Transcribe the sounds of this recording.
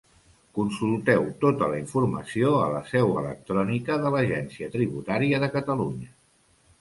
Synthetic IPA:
kunsulˠt̪ɛwt̪ot̪ələiɱfurməsioələsɛwə̰lə̰k̚t̪ɾɔnikəðələʒɛnsiət̪ɾiβut̪aɾiəðəkət̪əluɲə

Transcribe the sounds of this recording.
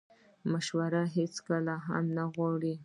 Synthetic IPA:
maʃwaɾaɦet͡skalaɦa̰mnaɣwɑɽi

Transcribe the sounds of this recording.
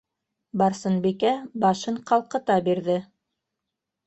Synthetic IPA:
bɑɾsɤnbikæbɑʃɤɴqɑlˠqɤ̆t̪ɑbiɾðɘ

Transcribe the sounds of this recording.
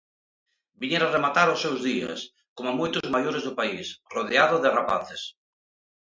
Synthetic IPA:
biɲeɾaremat̪aɾosːewzðiɐ̰s | komamojt̪ʊzmajoɾezðʊpaisroðeaðʊðɪrapa̰θɪs

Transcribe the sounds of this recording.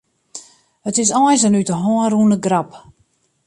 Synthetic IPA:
hətɪs̬ɔjs̬ənytəɦɔːəruənəɡrap

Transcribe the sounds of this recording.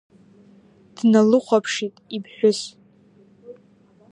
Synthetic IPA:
d̥nalɨχʷapʰʂitʼibħʷᶣʊs

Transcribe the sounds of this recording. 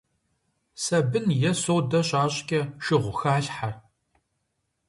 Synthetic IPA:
sɐbɨnjɛsowdɐɕʼaːɕʼkʲʼɐʃɪʁʷʊxaːɬħar

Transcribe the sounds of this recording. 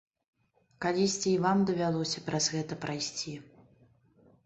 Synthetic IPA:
kalʲisʲt͡sʲiːvamd̪ɐvʲalˠɔsʲɐpɾɐzɣɛt̪ɐpɾajsʲt͡sʲi

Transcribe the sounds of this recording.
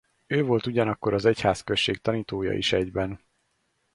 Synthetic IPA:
øːvo̞lt̪uɟɒnɒkːo̞ɾɒzɛchaːskøʃːeːk̚t̪ɒniːt̪oːjɒ̰ḭʃɛɟbɛn

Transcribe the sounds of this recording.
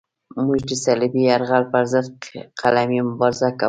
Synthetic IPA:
mʊd͡ʒd̪ɪsalɪbijaɾʁalfaɾzaqʰalamimbɑɾzaka

